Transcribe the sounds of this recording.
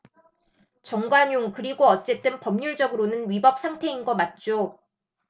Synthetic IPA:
t͡ɕʌŋɡwaɲjoŋkɯɾiɡoʌt͡ɕ͈e̞t͈ɯnpʌmɲuɭd͡ʑʌɡɯɾonɯnɥibʌp̚sʰaŋtʰe̞inɡʌmat̚t͡ɕ͈o

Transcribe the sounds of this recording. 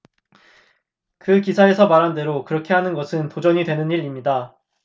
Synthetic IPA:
kɯkisʰae̞sʰʌmaɾɦande̞ɾokɯɾʌkʰe̞ɦanɯnɡʌsʰɯntod͡ʑʌɲidwe̞nɯniɾimɲida

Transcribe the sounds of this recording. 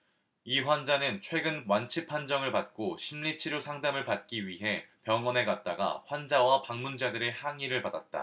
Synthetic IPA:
iɸwand͡ʑanɯnt͡ɕʰwe̞ɡɯnwant͡ɕʰipʰːand͡ʑʌŋɯɭpat̚k͈oɕʰimʎit͡ɕʰiɾjosʰaŋdamɯɭpat̚k͈iɥiɦe̞pjʌŋwʌne̞ɡat̚t͈aɡa̰ɸwand͡ʑawapaŋmund͡ʑadɯɾe̞haŋiɾɯɭpadat̚t͈a̰

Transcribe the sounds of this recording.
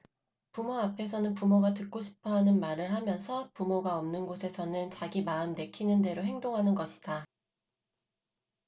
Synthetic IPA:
pumoapʰe̞sʰʌnɯnpumoɡatɯk̚k͈oɕʰi̥pʰʌɦanɯnmaɾɯɭɦamjʌnsʰʌpumoɡaʌmnɯnɡosʰe̞sʰʌnɯnt͡ɕaɡimaɯmne̞kʰinɯnde̞ɾoɦe̞ŋdoŋɦanɯnɡʌɕʰi̥d̥a

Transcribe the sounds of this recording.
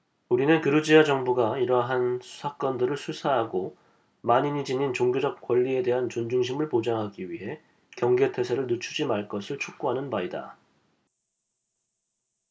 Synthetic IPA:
uɾinɯnkɯɾɯd͡ʑiad͡ʑʌŋbuɡaiɾʌɦansʰu̥sʰak͈ʌndɯɾɯɭsʰusʰaɦaɡo | maɲiɲid͡ʑiɲint͡ɕoŋɡjod͡ʑʌp̚k͈wʌʎːie̞de̞ɦant͡ɕond͡ʑuŋɕ̬ʰimɯɭpod͡ʑaŋɦaɡiɥiɦe̞ | kjʌŋɡe̞tʰe̞sʰeɾɯɭnut͡ɕʰud͡ʑimaɭk͈ʌsʰiɭt͡ɕʰuk̚k͈oɦanɯnmaida̰

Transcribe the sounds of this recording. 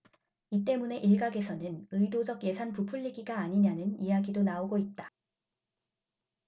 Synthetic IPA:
it̬͈e̞mune̞ʔiɭɡaɡe̞sʰʌnɯnɯidod͡ʑʌɡje̞sʰanpupʰuʎːiɡiɡaːɲiɲanɯnijaɡidonaoɡoit̚t͈a

